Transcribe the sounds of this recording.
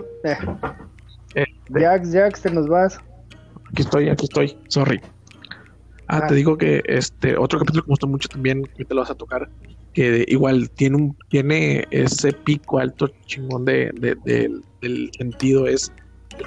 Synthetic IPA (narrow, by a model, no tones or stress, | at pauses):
est̪eaksd͡ʒaksenozβas | akiest̪oja̰kiest̪o̞jsorḭ | a̰t̪e̞ðiɣo̞ke̞̰ʔḛst̪ḛʔo̞t̪ɾokapit̪ulokeust̪omut͡ʃot̪ambje̞nket̪eloβasat̪o̞kaɾke̞ḭɣwalt̪je̞neumt̪je̞ne̞e̞̰se̞pikoalt̪o̞t͡ʃiŋɡo̞nd̪e̞̰ðḛd̪ḛd̪e̞lse̞nt̪ið̞o̞e̞s